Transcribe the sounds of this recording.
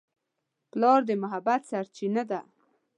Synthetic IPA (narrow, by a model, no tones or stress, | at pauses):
plɑɾd̪əmʊɦabat̪saɾt͡ʃinad̪a